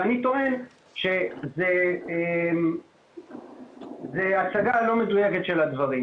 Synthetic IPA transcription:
anit̪o̞e̞n | ʃe̞ze | m | zeasaɡalo̞medujeket̪ʃe̞lad̪vɐʁim

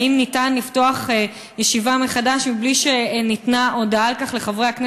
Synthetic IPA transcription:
imnitanlifto̞aχe | jeʃivameχadaʃmibliʃe̞nitnaʔo̞daalkaχle̞χavʁeakne

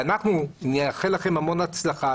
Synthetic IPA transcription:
anaχnuneaχelaχe̞mamo̞nat͡slaχa

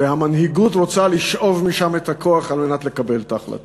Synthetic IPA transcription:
ehamanɦiɡutʁot͡saliʃʔo̞vmiʃamet̪hakʰo̞aχalme̞nat̪le̞kabe̞ltaχla̰t

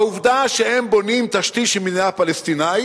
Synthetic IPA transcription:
uvd̪aʃehembo̞nimt̪aʃt̪iʃimineapalest̪inaj

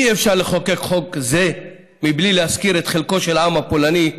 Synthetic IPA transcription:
iefʃaʁleχo̞ke̞kχo̞kze̞ | miblilehaskiɾet̪χelko̞ʃelaamapolani

